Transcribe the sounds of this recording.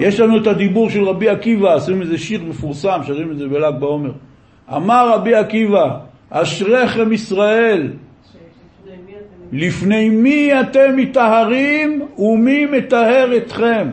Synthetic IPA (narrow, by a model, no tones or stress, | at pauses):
je̞ʃlanuet̪ad̪ibuʁʃelʁabiakivaasimezeʃiʁmefuʁsamʃaʁimezebelaɡ̚bao̞me̞ʁ | a̰maʁːabiakiva | aʃʁe̞χemisʁae̞l | ifne̞jmiat̪e̞mːit̪aɦaʁimumime̞t̪ahe̞ʁet̪χe̞m